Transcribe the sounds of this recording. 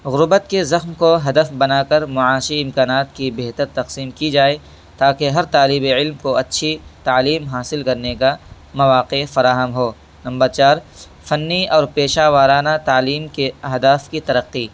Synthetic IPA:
ɣʊɾbət̪kezɐxmkoɦɐd̪əfbɐnaːkɐɾmʊʕaːʃiɪ̃mkaːnaːt̪kibeːɦt̪əɾt̪ɐqsiːmkid͡ʒaːe | t̪aːkeɦɐɾt̪aːlibeɪlmkoɐtːʃʰit̪aːliːmɦaːsɪlkɐɾneka | mɐʋaːqefɐɾaːɦəmɦoː | nɐ̃mbəɾt͡ʃaːɾ | fɐnːiɔːɾpeːʃaːʋaːɾaːnat̪aːliːmkeɐɦd̪aːfkit̪ɐɾɐqːi

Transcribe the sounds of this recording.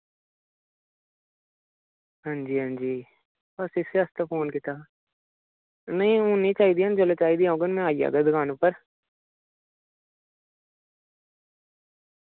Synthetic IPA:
ɦãːɲd͡ʒiːɦãːɲd͡ʒiː | bəsɪseːəst̪aːpʰoːnkit̪aː | nəĩːũːnĩːt͡ʃaːiːd̪iːãːnd͡ʒəleːt͡ʃaːiːd̪iːãːũːɡənmɛ̃ːaːija̰ːɡ̪aːd̪əɡʰaːnʊpːəɾ

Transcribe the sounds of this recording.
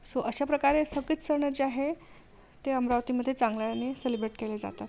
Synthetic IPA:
soʔəɕapɾəkaɾesəɡiːt͡ssəɾɳəɾd͡ʑeaɦe | t̪eəmɾaʋt̪iməd̪ʱːjet͡sãŋɡlaaneselibɾeʈkeled͡za̰t̪at̪

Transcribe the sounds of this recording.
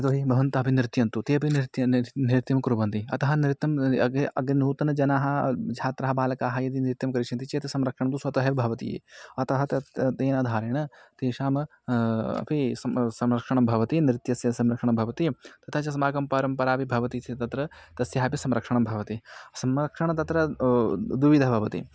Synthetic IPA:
it̪oːɦibʱɐʋɐnt̪ɐɦɐpinɾɪt̪jɐnt̪ut̪eɐpit̪jɐniɾɪt̪jɐmkɾubɐnt̪iɐ̰t̪ɐɦɐniɾɪt̪jɐmɐɡɐ̰ɡnuːt̪ɐnɐd͡ʒɐnaːɦɐd͡ʒʱaːt̪ɾɐɦɐbaːlɐkaːɦɐjɐd̪iniɾɪt̪jɐmkɐɾiʃʰɐnt̪it͡ʃet̪isɐmɾɐkʂɐɳɐmt̪usɐt̪ɐɦɐpibʱɐʋɐt̪ḭjḛːɐt̪ɐɦɐt̪t̪eːnaːd̪ʱaːɾeːɳɐt̪eːʃaːmɐ | ɐ̰pʰisɐsɐmɾɐkʂɐɳɐmbʱɐʋɐt̪inɾɪt̪jɐsjɐsɐmɾɐkʂɐɳ̃ɐmbʱɐʋɐt̪it̪ɐt̪ʰɐt͡ʃɐsɐmaːɡɐmpɐɾɐmpɐɾaːpibʱɐʋɐt̪it̪ʰit̪ɐt̪ɾɐt̪ɐsjɐɦɐːpisɐmɾɐkʂɐɳɐmbʱɐʋɐt̪isɐmɾɐkʂɐɳɐt̪ɐt̪ɾɐ | d̪uʋid̪ʱɐɦɐbʱɐʋɐt̪ḭ

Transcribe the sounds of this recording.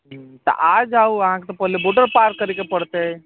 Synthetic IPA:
t̪ɐ̰ʔaːd͡ʒaːuɐɦãket̪opəɦleboːʈəɾpaːɾkːəɾikepəɽt̪eɛ

